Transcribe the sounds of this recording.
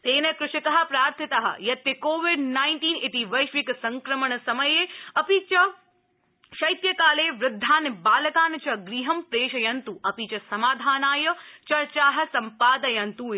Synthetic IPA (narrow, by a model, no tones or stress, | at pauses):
t̪eːnɐkɾɪʃit̪ɐɦɐ̆pɾaːɾt̪ʰɐt̪ɐɦɐ̰jɐt̪ːɐkoːʋɪɖnaːjnʈiːnɪʈiʋɐjʃʋikɐsɐŋkɾɐmɐɳɐsɐmɐjeːɐpit͡ʃɐ | ʃɐjt̪jɐkaːleːʋɾʊd̪ʱːaːnbaːlɐkaːnɐt͡ʃɐɡɾiːɦɐmpɾeːʃɐjɐnt̪uʔɐpit͡ʃɐsɐmaːd̪ʱaːnaːjɐt͡ʃɐɾt͡ʃaːɦɐ̆sɐmpaːd̪ɐjɐnt̪u